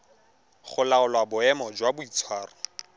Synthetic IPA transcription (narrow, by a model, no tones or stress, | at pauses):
χʊlaʊlwabʊɛmɔd͡ʒwabʊit͡sʰwaːrɔ